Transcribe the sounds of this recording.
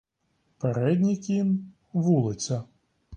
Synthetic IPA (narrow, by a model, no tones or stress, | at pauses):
pɛɾɛd̪ʲnʲikʲin | ʋulˠɪt̪sʲɐ